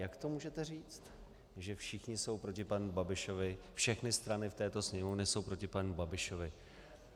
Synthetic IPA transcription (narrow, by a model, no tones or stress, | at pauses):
jakt̪o̞muːʒɛt̪ɛriːt͡st̪ | ʒɛfʃɪxɲɪso̞wpɾocɪpanubabɪʃo̞vɪ | fʃɛxnɪst̪ɾanɪft̪ɛːt̪o̞sɲɛmonɛso̞wpɾo̞cɪpanubabɪʃo̞vɪ